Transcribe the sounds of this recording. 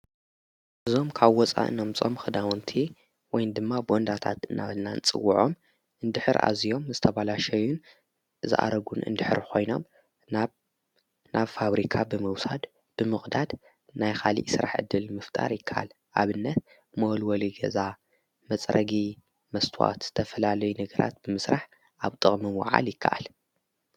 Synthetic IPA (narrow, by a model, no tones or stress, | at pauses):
ʔɨzo̞mkʰaβwɔt͡sʼa̰ʔɨ̰nomt͡sʼo̞mxɨd̪awɔnt̪ʰi | wɔjnd̪ɨmːabɨɔnd̪at̪ʰa̰t̪ɨnʔa̰βɨnːant͡sʼɨ̰wːuʕo̞̰m | ʔɨnd̪ɨħɨɾʔa̰zijo̞mzɨt̪ʰɐβalaʃɐjun | ɨzɨ̰ʔa̰ɾɐɡunɨ̰nd̪ɨħɨɾkʰo̞jno̞̰m | nʔaβfaβɾikʰabɨmɨwsad̪ | b̥ɨmɨxʼd̪ad̪ | najxʰalḭʔsɨɾa̰ħʕɨ̰d̪ːɨlmɨft̪ʼa̰ɾjɪkʰːaʔa̰l | ʔaβɨnːɐt̪̚ | mɐwlwɔliɡɐza | mɐt͡sʼɾʔɐ̰ɡi | mɐst̪ʰuwa̰t̪zɨ̥t̪ʰɐfɐlalɐjunɐɡɐɾʔa̰t̪̚bɨmɨsɾaħ | ʔaβt̪ʼɨχʼmɨmwa̰ʕa̰ljɪkʰːaʔa̰l